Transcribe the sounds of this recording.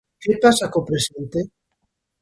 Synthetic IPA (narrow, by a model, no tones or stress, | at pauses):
kepasakopɾesent̪e